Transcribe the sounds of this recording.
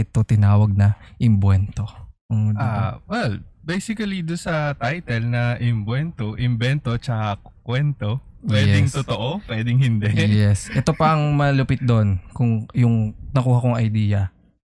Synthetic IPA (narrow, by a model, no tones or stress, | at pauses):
ɪt̪ːot̪ɪnaːwɐɡ̚nɐʔɪmbwɛnt̪o̞ʊawɛlbejsɪkɐlid̪ʊnsɐt̪ajt̪ɛlnɐʔɪmbwɛnt̪oʔɪmbɛnt̪o̞t͡ʃɐkakwɛnt̪o | wɛɛɪŋt̪ot̪oʔopwɛd̪ɪŋhɪnd̪ɛjɛsʔɛt̪o̞pɐʔɐŋmɐlʊpɪt̪̚d̪o̞nkʊŋjʊŋnɐkuːhɐkoŋʔɐjd̪iːjɐ